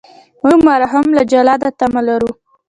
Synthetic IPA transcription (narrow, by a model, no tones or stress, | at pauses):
muɡmɑɾaɦamlad͡ʒalɑd̪at̪amalaɾu